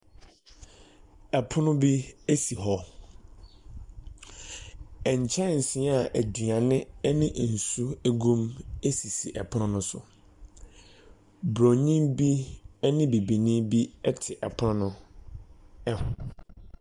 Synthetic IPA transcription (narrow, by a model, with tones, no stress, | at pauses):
ɛ˨pʰʊ˦nʊ̃˦bi˦e˦si˨ɦɔ˦ | ɛ˨ɲ˨t͡ɕʰɛ̃˦˨n̩˨sɪ̃˨˦a˨ʔæ˨dɥã˨nɪ̃˦ɛ˦nɪ̃˦ʔn̩˨su˦æ˦ɡũ˦me˦si˨si˨ʔɛ˨pʰʊ˦ʊ̃˦nʊ̃˦sʊ̰˨ | bɾõ˨ɲĩ˦mbi˦nɪ̃˦bi˨bi˨nĩ˦bi˦ɛ˦tʰɪ˨ʔɛ˨pʰʊ˦nʊ̃˦nʊ̃˦ | ɛ˦hʊ̃˨